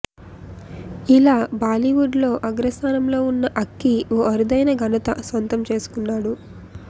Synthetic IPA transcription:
ilaːbaːliʋuɖlo̞ːʔɐɡɾɐst̪aːnɐmlo̞ːunːɐʔɐkːioːʔɐɾud̪ɐjnɐɡʱɐnɐt̪ɐsʋɐnt̪ɐmt͡ʃe̞ːsu̥kunːaːɽu

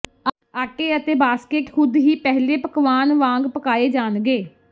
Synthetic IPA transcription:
aːʈeːət̪eːbaːskeːkxʰʊd̪ɦiːpɛɦleːpəkʋaːnʋãːŋɡpəkaːeːd͡ʒaːnɡeː

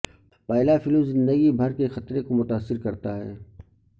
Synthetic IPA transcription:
pɛːlafɪlmzɪ̃nd̪əɡibʱɐɾkexɐt̪ɾekomʊt̪aːsːɪɾkɐɾt̪aɦɛ̰ː

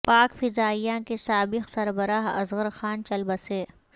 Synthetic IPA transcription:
paːkfɪzaːijãkesaːbɪqsɐɾbəɾaːɦɐ̰zɣəɾxaːnt͡ʃɐlbɐseː

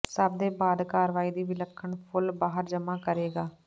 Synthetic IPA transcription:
səb̚d̪eːbaːd̪kaːɾʋaːiːd̪iːʋɪləkʰːəɳpʰʊlbaːɦəɾd͡ʒəmaːkəɾeːɡaː

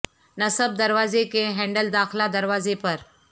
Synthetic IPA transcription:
nəsəb̚d̪əɾʋazekeɦɛ̃ɳɖəld̪axlad̪əɾʋazepəɾ

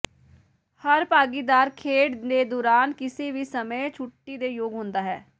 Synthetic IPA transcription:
həɾpaːɡiːd̪aːɾkʰeːɖd̪eːd̪oːɾaːnkɪseːʋiːsəməjt͡ʃʰʊʈːiːd̪eːjoːɡɦʊ̃nd̪aːɦɛː

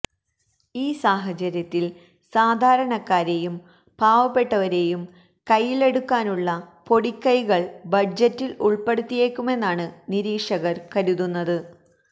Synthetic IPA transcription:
iːsaːɦɐt͡ɕɐɾjɐt̪ːil | saːd̪ʱaːɾɐɳɐkːaːɾe̞jum | paːʋɐpːe̞ʈːɐʋɐɾe̞ːjum | kɐjːile̞ɽukːaːnuɭːɐpo̞ɽikʲːɐjɣɐɭbɐd͡ʑɐtːiluɭpe̞ɽut̪ːije̞ːkʲːume̞nːaːɳɨniɾiːkʂɐɣɐrkɐɾuðunːɐðɨ

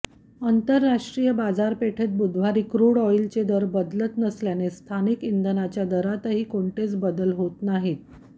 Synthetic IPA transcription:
ənt̪əɾːaʂʈɾijəbad͡zaɾpeʈʰet̪̚bud̪ʱʋ̤aɾiːkɾuɽɔilt͡sed̪əɾbəd̪lət̪nəsljanest̪ʰanikind̪ənat͡ɕjad̪əɾat̪əɦiːkoɳʈet͡sbəd̪əlɦot̪naɦit̪̚

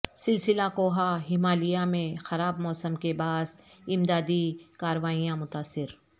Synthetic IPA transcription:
sɪlsɪlakoːɦaɦɪmaːlijamẽxɐɾaːbmɔːsəmkebaːsɪmd̪aːd̪ikaːɾəʋaːijãmʊt̪aːsːɪɾ

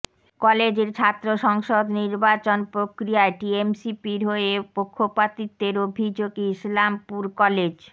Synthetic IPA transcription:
kɔled͡ʑeɾt͡ɕʰat̪ːɾoʃɔŋʃod̪niɾbat͡ɕonpɾokɾiaeʈiemsipiɾɦoepokʰːopat̪it̪ːeɾobʱid͡ʑoɡislampuɾkɔled͡ʑ

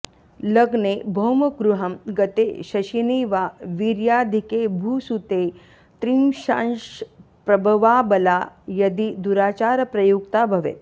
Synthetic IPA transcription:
ləɡnebʱɐwmɐɡɾuɦɐmɡɐt̪eɕɐɕiniːʋaʋiɾjad̪ʱikebʱuːsut̪e | t̪ɾimɕã̰nʃ | pɾɐbʱəʋaːbəlajɐd̪id̪uɾaːt͡ɕaːɾpɾɐjukt̪abʱɐʋḛːt̪̚

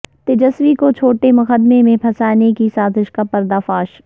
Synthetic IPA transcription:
t̪ed͡ʒəsʋikot͡ʃʰoːʈemɐxəd̪memẽpʰɐsaːnekisaːzɪʃkapɐɾd̪afaːʃ

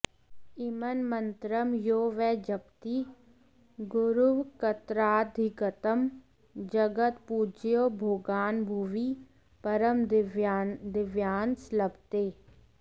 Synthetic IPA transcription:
ɪmənmənt̪ɾəmjoːʋɛːd͡ʒɐp̚t̪i | ɡʊɾuʋkɐt̪ɾaːd̪ʱiɡət̪əm | d͡ʒɐɡət̪pud͡ʒjoːbʱoːɡaːnbʱuʋi | pɐɾəm | d̪ɪʋjaːnsləbt̪eː

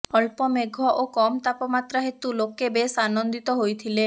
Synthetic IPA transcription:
ɔlpɔmeɡʱɔʔokɔmt̪apɔmat̪ɾaɦet̪ulokebesanɔnd̪it̪ɔɦojt̪ʰile

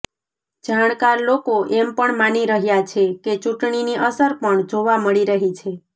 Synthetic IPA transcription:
d͡ʒaɳ̃kaɾlokoʔempəɳmaniɾəɦjat͡ʃʰeket͡ʃũʈɳiniʔəsəɾpəɳd͡ʒoʋaməɭiɾəɦit͡ʃʰe

